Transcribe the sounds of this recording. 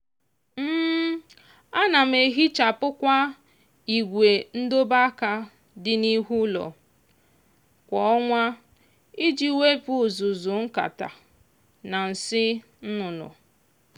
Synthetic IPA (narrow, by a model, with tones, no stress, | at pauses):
m̩ː˦ | a˦na˨m̩˨e˨ɦi˦t͡ʃa˨pʊ˦kʷa˦ | i˨ɡʷe˨n̩˦do˦ba˦ka˦ | dɪ˦ni˦ɦu˦lɔ̰˨ | kʷɔ˨ɔ˦ŋʷa˦ | i˦d͡ʒi˦we˦pu˦˨zu˨zu˨ŋ̩˦ka̰˨ta̰˨ | na˨n̩˨sɪ˦ | n̩˦nʊ˨nʊ̰˨